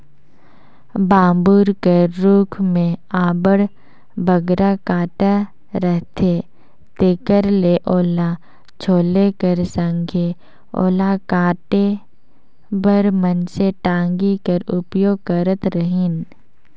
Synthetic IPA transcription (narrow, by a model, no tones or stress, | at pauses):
bãːmbuːɾkəɾːuːkʰmẽaːbəɽ | bəɡɾakaːʈa | ɾəɦt̪ʰe | t̪ekəɾleʔoːla | t͡ʃʰoːlekəɾsə̃ŋɡʱe | o̰ːlakaːʈe | bəɾmənseʈãːŋɡikəɾʊpjoːɡ̚kəɾət̪ɾəɦɪn